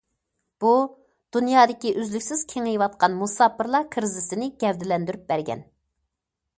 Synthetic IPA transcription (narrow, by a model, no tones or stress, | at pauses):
b̥u | d̪̥unjɑːd̪ɪkʲiʔøzlykʲsɪz̥kʲʰeŋejwɑt̪̚qɑnmusɑːpʰɨɾlˠɑkʰɨɾzɪsɪnɪɡʲɛvd̪ɪlɛnd̪yɾyp̚bæɾɡʲɛ̰n